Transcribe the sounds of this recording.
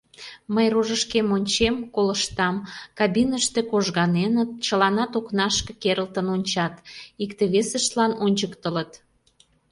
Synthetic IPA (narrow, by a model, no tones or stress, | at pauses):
məjroʒəʃkemonʲt͡ɕemkoləʃt̪ɑmkɑbinəʃt̪e̽koʒɣɑnenət̪̚t͡ɕəlɑnɑt̪oknɑʃkə̥̆keɾəlt̪ənonʲt͡ɕɑt̪ikt̪eβesəʃt̪lɑnonʲt͡ɕəkt̪ələt̪